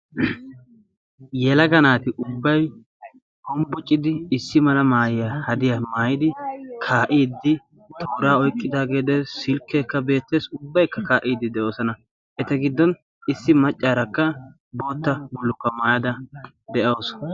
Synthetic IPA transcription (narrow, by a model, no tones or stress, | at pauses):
jɛlɐɡɐnaːt̪ɪʔʊbːɐj | hɔmbʊt͡ʃʼːɪd̪ɪːsːɪmɐlɐmaːjɪjɐhɐd̪ɪjɐmaːjɪd̪ɪkʰaːʔiːd̪ːɪ | t̪ʰo̞ːɾaːɔjkʼːɪd̪aːɡe̞ːd̪ɛsɪlkːeːkːɐbe̞ːt̪ːe̞ːsʊbːɐjkːɐkaːʔiːd̪ːɪd̪ɛʔo̞ːsɐnɐ | ʔɛt̪ɐɡɪd̪ːɔn | ɪsːɪmɐt͡ʃʼːaːɾɐkːɐ | bo̞ːt̪ːɐbʊlːʊkːɐmaːjɐd̪ɐ | d̪ɛʔɐs